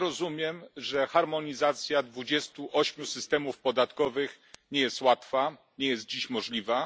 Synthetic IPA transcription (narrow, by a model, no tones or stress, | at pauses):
ɾɔzumʲjɛmʐɛxaɾmɔɲizat̪sʲjad̪vud͡ʑɛst̪uʔɔɕmʲjusɘst̪ɛmufpɔd̪at̪kɔvɘx | ɲɛjɛst̪wat̪fa | ɲɛjɛst̪̚d͡ʑiɕmɔʐlʲiva